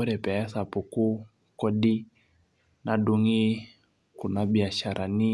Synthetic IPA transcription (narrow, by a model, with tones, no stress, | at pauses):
u˦ɾɛ˨pɛ˨ɛ˦sa˨pu˨ku˦ | kɔ˦ɗi˦ | na˨ɗu˦ŋi˦ | ku˨na˨bi˨a˨ʃa˨ɾʔa˨ni˦